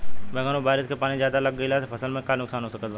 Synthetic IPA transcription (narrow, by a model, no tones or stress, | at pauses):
bɛːɡaːnõbaːɾɪskepaːnĩzjaːd̪alɐɡːəilasepʰɐsəlmẽkanʊksaːnɦoːsɐkət̪ʋa